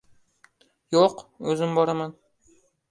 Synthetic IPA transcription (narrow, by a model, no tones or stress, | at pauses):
joqɵzɪmbɒɾaman